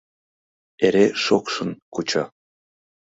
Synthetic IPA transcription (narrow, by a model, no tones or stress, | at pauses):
eɾeʃokʃɤ̆nkut͡ɕɑ